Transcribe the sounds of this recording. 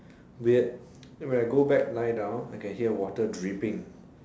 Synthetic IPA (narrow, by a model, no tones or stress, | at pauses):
wi | wɛ̃naɪɡobɛk̚lajdãʊ̃naɪkɛ̃nɦiəwɔtədɹipɪ̃ŋ